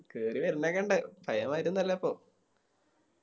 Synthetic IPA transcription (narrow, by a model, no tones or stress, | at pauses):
keːriʋɐɾunːekːɐɳɖɨbʱɐjɐmaːjiɾunːɐlːɐɐpːo̞ː